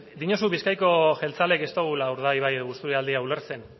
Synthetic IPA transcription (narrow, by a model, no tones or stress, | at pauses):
d̪iɲosuβiskajko̞ʝe̞lt͡sale̞ke̞st̪oɣ̞ulauɾð̞ajβ̞ajeðoust̪uɾiald̪iauleɾt͡se̞n